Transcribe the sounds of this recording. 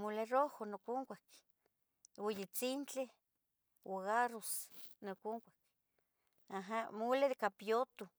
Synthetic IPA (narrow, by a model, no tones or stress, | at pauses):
mulerohonokuŋkʷak | wejet͡sint͡ɬe | waɣaɾosnokuŋkʷḁk | aɦamuled̪ekapjot̪u